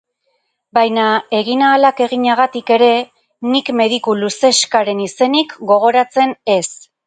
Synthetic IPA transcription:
bajnae̞ɣinaːlake̞ɣ̞iɲaɣ̞at̪ike̞ɾe̞ | nikme̞ðikuluse̞skaɾe̞nise̞nikɡo̞ɣ̞o̞ɾat͡se̞ne̞s

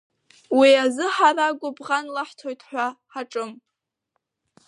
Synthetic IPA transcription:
wiazɨħaɾaɡʷʊbʁanlaħtʰojtʰħʷᶣaħaʈ͡ʂʼɨm

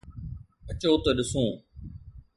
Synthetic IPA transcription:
ət͡ɕoːt̪ɐɗɪsõː

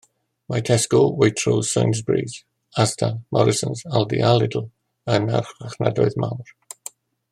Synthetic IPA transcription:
matʰɛskɔwejtʰrosə̰jnzbriːz | astʰamɔɾɪsə̃nzalˠdiʔalˠɪdl̩ˠ | ənarχwaχnadɔɨðmawr

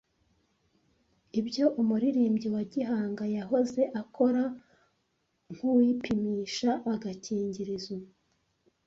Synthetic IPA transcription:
ibɟo̞ʔumuɾiɾiːmɟiwaɟiɦaːŋɡajaɦo̞ze̞ʔakʰo̞ɾa | ŋ̥hujipimiːʃaʔːɡaciːɲɟiɾizo

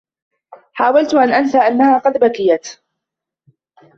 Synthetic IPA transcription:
ħaːwalt̪ʔanʔansaːʔanːahaːqɑd̪bakɪjat̪

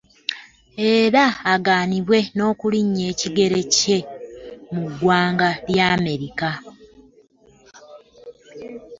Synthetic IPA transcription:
e̞ːɾaːɡaːniβwe̞no̞ːkuliɲːe̞ːciɡe̞ɾe̞ce̞muɡwaːŋɡaljaːme̞ɾika

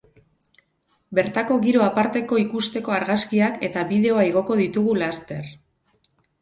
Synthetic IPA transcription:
be̞ɾt̪ako̞ɣiɾo̞apaɾt̪e̞ko̞ikust̪e̞ko̞aɾɣaskiake̞t̪aβiðe̞oaeɣ̞o̞ko̞ðit̪uɣ̞ulast̪e̞r

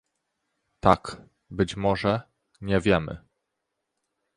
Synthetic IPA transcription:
t̪ak | bɘt͡ɕmɔʐɛ | ɲɛvʲjɛmɘ̰

